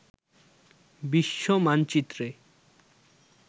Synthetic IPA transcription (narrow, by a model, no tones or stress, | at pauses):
biʃːomant͡ɕit̪ːɾe